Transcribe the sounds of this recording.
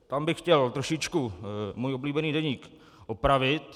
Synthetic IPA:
t̪ambɪxxcɛlt̪ɾoʃɪt͡ʃkumuːjʔobliːbɛniːdɛɲiːk | ʔopɾavɪt̪

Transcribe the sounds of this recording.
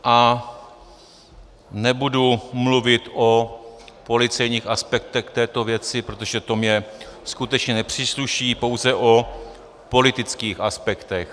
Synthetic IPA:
ʔa | nɛbudumluvɪt̪ʔo̞po̞lɪt͡sɛjɲiːxʔaspɛk̚t̪ɛxt̪ɛːt̪o̞vjɛt͡sɪpɾot̪o̞ʒɛt̪o̞mɲɛskut̪ɛt͡ʃɲɛnɛpr̝̥iːsluʃiːpo̞wzɛʔo̞ | po̞lɪt̪ɪt͡skiːxaspɛkt̪ɛx

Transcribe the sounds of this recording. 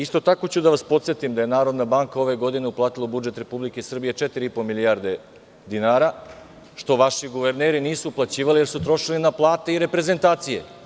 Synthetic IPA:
ist̪o̞t̪ako̞t͡ɕud̪aʋaspot̪sjet̪imd̪aje̞naːɾo̞d̪nabaŋkao̞ʋe̞ɡo̞d̪ine̞uplaːt̪ilˠaubud͡ʒe̞t̪ɾe̞publikesr̩bije̞t͡ʃet̪iɾiipo̞milijaɾd̪e̞ | d̪inaːɾa | ʃt̪o̞ʋaʃiɡuʋe̞ɾneːɾiniːsuːplˠat͡ɕiːʋalije̞ɾsut̪ɾo̞ʃilinaplˠaːt̪eiɾe̞pɾe̞ze̞nt̪aːt̪sije̞̰

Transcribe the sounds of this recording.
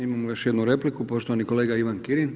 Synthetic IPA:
imamoʋeʃjed̪nuɾe̞plikupo̞ʃt̪oʋaniko̞leːɡaiʋankiɾin

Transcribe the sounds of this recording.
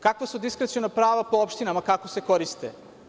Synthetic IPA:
kakʋasud̪iskɾet̪sijonapɾaːʋapoopʃt̪inamakakoseko̞ɾist̪ḛ

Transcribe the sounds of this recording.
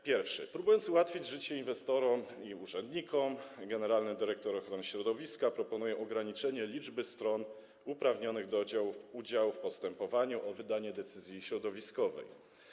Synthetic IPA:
pʲjɛɾfʂɘ̰pɾubujɔnt̪suwat̪fʲid͡ʑʐɘt͡ɕɛinvɛst̪ɔɾɔmiuʐɛnd̪ɲikɔmɡɛnɛɾalnɘmd̪ɘɾɛkt̪ɔɾɔxɾɔnɘɕɾɔd̪ɔvʲiskapɾɔpɔnujɛʔɔɡɾaɲit͡ʂɛɲɛlʲid͡ʐbɘst̪ɾɔn | upɾavɲɔnɘɣd̪ɔd͡ʑawuud͡ʑawfpɔst̪ɛmpɔvaɲuʔɔvɘd̪aɲɛd̪ɛt̪sɘzʲjiɕɾɔd̪ɔvʲiskɔvɛ̰j

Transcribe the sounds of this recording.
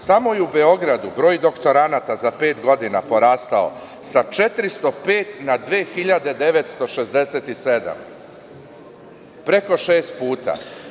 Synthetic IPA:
samo̞jeube̞o̞ɡɾad̪ubɾo̞ːjd̪o̞kt̪o̞ɾanat̪azape̞ːt̪ɡo̞d̪ina̰po̞ɾaːst̪ao̞̰ | sat͡ʃe̞t̪ɾist̪o̞pe̞ːt̪nad̪ʋeːxiʎad̪e̞d̪e̞ʋe̞t̪st̪o̞ʃe̞zd̪e̞se̞t̪ise̞d̪a̰m | pɾe̞ko̞ʃe̞ːst̪̚puːt̪a̰

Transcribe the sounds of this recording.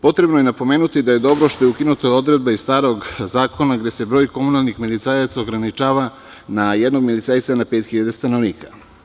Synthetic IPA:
po̞t̪ɾe̞bnoje̞napo̞me̞ːnut̪id̪aje̞d̪o̞bɾoʃt̪o̞jeukinut̪oo̞d̪ɾed̪̚baisst̪aːɾo̞ɡzaːko̞naɡd̪e̞se̞bɾo̞ːjko̞munalˠnixmilit̪sajat̪sao̞ɡɾanit͡ʃaːʋa | najed̪no̞ɡmilit̪sajt̪sanapeːt̪xiʎad̪est̪ano̞ʋniːka

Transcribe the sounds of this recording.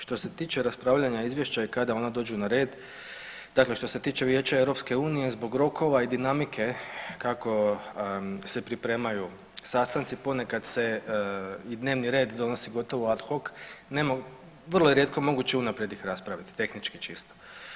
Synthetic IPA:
ʃt̪o̞se̞t̪iːt͡ʃe̞ɾaspɾaːʋʎaɲaizʋje̞ʃt͡ɕaikad̪ao̞nad̪o̞ːd͡ʒunaɾe̞ːd̪ | d̪akle̞ʃt̪o̞se̞t̪iːt͡ʃe̞ʋje̞ːt͡ɕaewɾo̞pske̞uːnije̞zbo̞ɡɾo̞ko̞ʋaid̪inamikʰe̞kako̞ | se̞pɾipɾe̞ːmaju | saːst̪ant̪sipo̞ne̞kad̪se̞ | id̪neːʋniɾe̞ːd̪d̪o̞no̞siɡo̞t̪o̞ʋoad̪xoknemo | ʋər̩lojeɾje̞t̪̚ko̞mo̞ɡut͡ɕeunapɾjed̪ixɾaspɾaʋit̪i̥t̪e̞xnit͡ʃkit͡ʃist̪o

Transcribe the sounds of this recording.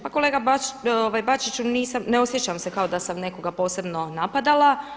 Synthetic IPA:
pako̞leɡaoʋajbat͡ʃit͡ʃuniːsamneo̞sje̞t͡ʃamse̞kao̞d̪asamne̞ko̞ɡapo̞ːse̞bno̞napad̪alˠa

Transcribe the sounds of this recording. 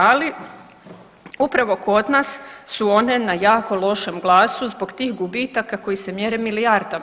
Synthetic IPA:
ali | upɾaʋo̞ko̞d̪nassuo̞ne̞najaːko̞lˠo̞ʃe̞mɡlˠaːsuzbo̞ɡt̪iːxɡubit̪akako̞jise̞mjeːɾemilijaɾd̪a

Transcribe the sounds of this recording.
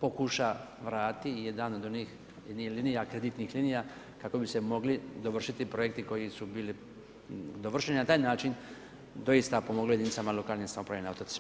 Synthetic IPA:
po̞kuʃaʋɾaːt̪ijed̪ano̞d̪o̞niːx | nilinijakɾe̞d̪it̪nixlinijaː | kako̞bise̞mo̞ɡlid̪o̞ʋr̩ʃit̪ipɾo̞jek̚t̪iko̞jisubiːli | d̪oʋr̩ʃeninat̪aːjnaːt͡ʃin | d̪o̞jist̪apo̞moɡloed̪init̪samalo̞kaːlnisamo̞pɾaʋjeneaot̪ot̪

